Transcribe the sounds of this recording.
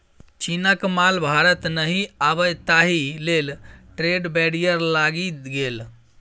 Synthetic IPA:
t͡ʃinakmalbʱaɾət̪nəɦiabət̪aɦilelʈɾeɖbɛɽijəɾlaɡiɡel

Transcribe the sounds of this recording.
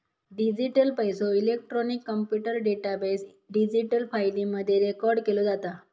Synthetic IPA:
ɖid͡ʑiʈəlpajsoilek̚ʈɾɔnikːəmpjuʈəɾɖeʈabes | ɖid͡ʑiʈəlfajɖiməd̪ʱːjeɾekɔɾɖkelod͡zat̪a

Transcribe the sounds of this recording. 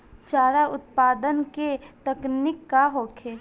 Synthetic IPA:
t͡ʃaːɾaʊt̪paːd̪ənket̪əknɪkːaɦoːkʰeː

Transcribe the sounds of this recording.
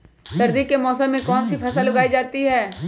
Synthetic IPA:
sɐɾd̪ikemɔːsəmːẽkɔːnsipʰɛːsəlɐɡaːid͡ʒaːt̪iɦɛː

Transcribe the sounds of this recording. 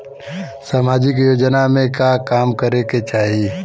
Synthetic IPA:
saːmaːd͡ʒɪk̬joːd͡ʒnamẽkakaːmkəɾeket͡ʃaːɦii

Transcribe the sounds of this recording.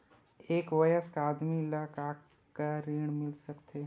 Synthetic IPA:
eːkʋɐjəskaːd̪milakaː | kaɾiːɽ̃mɪlsɐkt̪ʰe

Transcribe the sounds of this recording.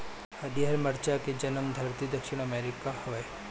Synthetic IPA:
ɐd̪iɦəɾməɾt͡ʃaked͡ʒɐnəmd̪ʱəɾt̪id̪əkʃiɽ̃əmeɾikahɔe

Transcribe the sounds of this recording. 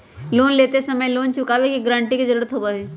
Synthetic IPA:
loːnleːt̪esəməjloːnt͡ʃʊkaʋekiɡɾãːɳʈikezəɾuːɾət̪ɦobaʋeː

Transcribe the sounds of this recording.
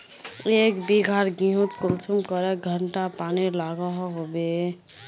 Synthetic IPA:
eːkbiɡʱaːɾɡĩɦut̪kʊlsumkəɾɛɡʱəɳʈapaːnilaːɡaɦɦobe

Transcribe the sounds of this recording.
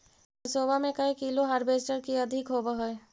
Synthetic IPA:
soːbamẽkɐekiːloɦaːɾbeːsʈəɾkiɐd̪ʱɪkɦoːbəɦɛe

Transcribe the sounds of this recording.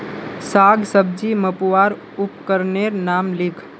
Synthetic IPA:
saːɡsəb̚d͡ʒiməpuwaːɾ | ʊpkəɾneɾnaːmlɪkʰ

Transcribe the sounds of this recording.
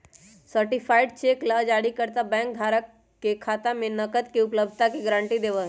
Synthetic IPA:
səɾʈipʰaːɪɖt͡ʃeːkləd͡ʒaːɽikəɾt̪abɛ̃ːŋk̚d̪ʱaːɾəkː | ekʰaːt̪amẽnəkət̪kiʊpləb̚d̪ʱt̪akiɡɾãːɳʈid̪eːʋə

